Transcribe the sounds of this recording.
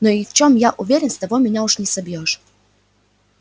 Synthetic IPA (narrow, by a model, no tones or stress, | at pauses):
nɔift͡ɕɔmjaʔuvʲjeɾʲjɛmst̪avɔmʲiɲauʂɲʲɛsabʲjɔʂ